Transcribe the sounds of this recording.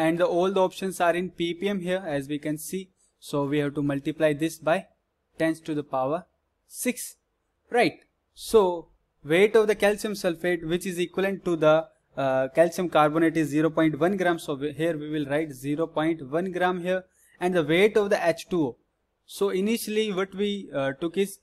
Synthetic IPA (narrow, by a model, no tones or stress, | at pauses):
ɛ̃ɳɖd̪əoːlɖɔːpʃə̃nsaːɾɪ̃npipiẽmɦiəɾɛzʋiːkɛ̃nsiː | soːʋihɛʋʈumʌlʈiplaɪd̪ɪsbaɪ | ʈɛ̃nsʈud̪əpaʋəɾ | sɪks | ɾaɪʈ̚ | soː | ʋeːʈɔʋd̪əkɛlt͡ʃə̃msɛlfeːʈʋɪt͡ʃɪzikwələ̃ɳʈːud̪ə | kɛlt͡ʃə̃mkaːɾboneʈɪzːiːɾoːpɔ̃ɪ̃ɳʈʋʌ̃nɡɾãːmsoɦiəɾʋiːʋɪlɾaɪʈziːɾoːpɔ̃ɪ̃ɳʈʋʌ̃nɡɾãːmɦiəɾ | ɛ̃ɳɖd̪əʋeːʈɔʋd̪əʔæt͡ʃʈuo | soːɪniʃəliʋɔʈʋiʈʊkɪz